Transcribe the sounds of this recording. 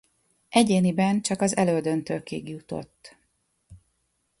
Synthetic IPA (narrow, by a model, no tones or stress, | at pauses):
ʔɛɟeːnibɛnt͡ʃɒkɒzɛ̰løːd̪ø̞nt̪øːkiːɡjut̪o̞̰t̪ː